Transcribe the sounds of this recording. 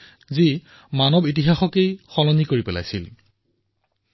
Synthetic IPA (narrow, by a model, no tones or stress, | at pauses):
zi | manɔbitiɦaxɔkejxɔlɔnikoɹipɛla̰jsḭl